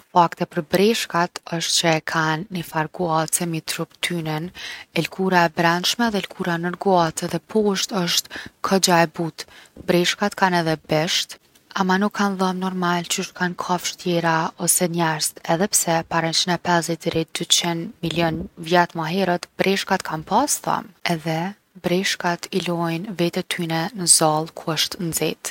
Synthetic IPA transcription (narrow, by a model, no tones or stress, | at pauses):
fakt̪ɛpəɾbɾɛʃkat̪əʃt̪̚t͡ɕəkʰanːifaɾɡuat̪t͡sɛmit̪ɾupt̪ʰynɛnɛlkʰuɾaɛbɾanʃmɛðɛlkʰuɾanəɾɡuat̪ɛðɛpʰɔʃt̪əʃt̪kʰɔd͡ʑaɛbut̪bɾɛʃkat̪kanɛðɛbɛʃt̪ | amanukʰːanðəmnɔɾmalt͡ʃəʃt̪kankʰafʃt̪jɛɾaɔsɛnɛɾst̪ɛðɛpsɛpaɾɛnt͡ʃənɛpɛzit̪ɾit̪̚d̪̥ytt͡ʃɛnmiljɔnvjat̪maɦɛɾət̪bɾʔɛʃkat̪kʰanpasθa̰mɛðɛ | bɾɛʃkat̪ilɔjnvɛt̪ɛt̪ʰynɛnəzalˠkʰuəʃt̪nd͡zit̪